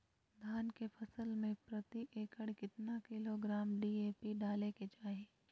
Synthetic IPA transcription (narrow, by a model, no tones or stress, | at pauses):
d̪ʱaːnkepʰɐsəlmẽpɾɐt̪iʔeːkəɽkɪt̪nakɪloɡɾaːmɖiːeːpiɖaːleket͡ʃaːɦeː